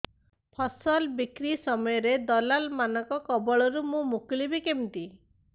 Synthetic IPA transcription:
pʰɔsɔlbikɾisɔmɔjɔɾed̪ɔlalmanɔkɔkɔbɔɭɔɾumũmuklibikemt̪i

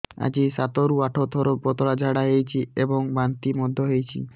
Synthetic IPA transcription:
a̰d͡ʑisat̪oɾuaʈʰot̪ʰɔɾobɔt̪oɽad͡ʒʱaɽaɦejt͡ʃʰieboŋbant̪imɔd̪ʱːoɦejt͡ɕʰḭ

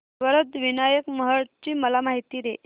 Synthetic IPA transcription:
ʋəɾət̪ʋinajəkməɦəɽt͡ɕiːməlamaɦit̪iːɾe

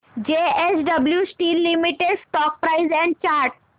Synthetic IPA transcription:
d͡ʑeesɖəbljusʈiːlːimiʈeɖsʈɔk̚pɾaɪzɛ̃ɳɖ̚t͡ɕaɾʈ

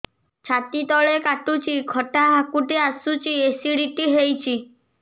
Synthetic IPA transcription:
t͡ʃʰat̪it̪ɔɭekaʈut͡ʃʰikʰɔʈaɦakuʈiasut͡ʃiesiɽiʈiɦejt͡ʃʰi

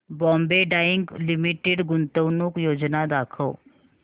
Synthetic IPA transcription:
bɔ̃mbeɖaiŋɡlimiʈeɖɡunt̪əwnuːkjod͡ʒnad̪akʰəw

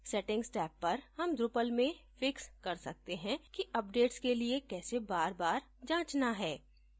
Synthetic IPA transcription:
sɛʈɪ̃ŋɡsʈɛːpːɐɾhɐmd̪ɾʊpəlmẽfɪkskɐɾsɐ̰k̚t̪eɦɛ̃kiʔɐp̚ɖeːʈskeliekɛːsebaːɾbaːɾ | d͡ʒãːt͡ʃnaɦɛː

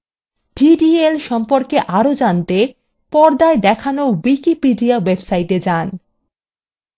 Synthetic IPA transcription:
ɖiɖielʃɔmpoɾkeʔaɾod͡ʑant̪e | pɔɾd̪aed̪ɛkʰanowikipiɖiawebsaiʈed͡ʑan

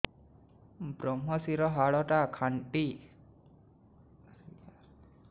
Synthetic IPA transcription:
bɾɔmɔsiɾɔɦaɭɔʈakʰaɳʈi

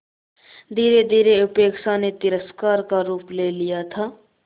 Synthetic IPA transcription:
d̪ʱiːɾed̪ʱiːɾeʊpeːkʃanet̪ɪɾəskaːɾkaɾuːplelijat̪ʰaː

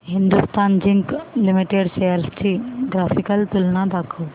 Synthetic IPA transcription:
ɦind̪ust̪aːnd͡ʒiŋklimiʈeɖsejlst͡ʃʰiɡɾaːfʰikɐlt̪ulnãb̪ʱakʰu

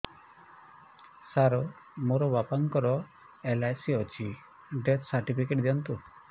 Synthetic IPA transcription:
saɾɔ | moɾɔbapaŋkɔɾɔ | elajsiɔt͡ʃʰi | ɖet̪saɾʈipʰikeʈd̪iɔnt̪u

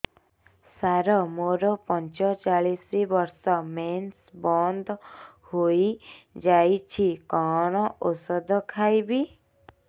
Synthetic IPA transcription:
saɾɔmoɾɔpɔnt͡ʃɔt͡ʃaɭisɾibɔɾsɔmensbɔnd̪ɔ | hojid͡ʒajt͡ʃʰikɔɽ̃ɔʔosɔd̪ɔkʰajbi

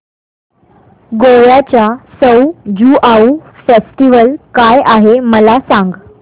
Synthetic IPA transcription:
ɡoɭjat͡ɕjasəwd͡ʑuːʔaufesʈiʋəlkajʔaɦeməlasãŋɡ

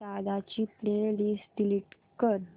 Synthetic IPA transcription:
ad̪at͡ɕiːpɾeliːsʈ̪iliʈ | kəɾ

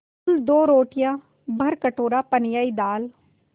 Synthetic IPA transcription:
ld̪oːɾoːʈɪjãː | bʱəɾkəʈoːɾaːpənjaːiːd̪aːl

